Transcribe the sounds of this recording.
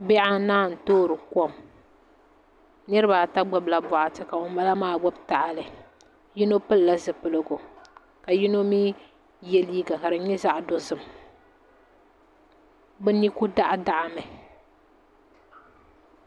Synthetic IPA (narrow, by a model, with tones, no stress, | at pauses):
bɛ˦ʔa˦naː˦˨n̩˨toː˦ɾɨ˨ko˦˨m | nɨ˦ɾɨ˦ba˨ta˦ɡ͡bɛ˦bla˨bɔ˨ʔa˨tɨ˨ka˨o˨ma˦la˦maː˦˨ɡ͡bɔ˦bta˨ʔa˨lɨ˨ | ji˦no˦pɨ˦lla˦zɨ˨pɨ˨lɨ˨ɡo˨ | ka˨ji˦no˦miː˦ | jɛ˦liː˦ɡa˨ka˨ɾɨ˨ɲɛ˦za˦ʔdo˦sɨ˨m | bɛ˦ni˦ku˦da˦ʔa˦da˨ʔa˨mɨ˨